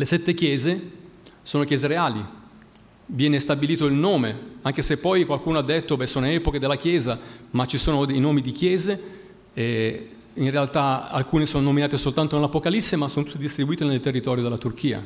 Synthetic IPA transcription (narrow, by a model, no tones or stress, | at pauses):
lesɛt̪ːek̟jɛːzesoːnokjɛːzeɾeaːli | vjɛːnest̪abiliːt̪oilnoːmeaŋk̟esepːɔjkwalkuːnoad̪ːet̪ːobɛsoːnoɛːpoked̪elːak̟jɛːzamat͡ʃisoːnod̪ejnoːmid̪ikjɛːze | inrealt̪aa̰lkuːnesoːnonominaːt̪esolt̪ant̪onelapokalisːemasːoːnot̪ut̪ːed̪ist̪ɾibuiːt̪enelt̪erːit̪ɔːɾjod̪elat̪urk̟iːa̰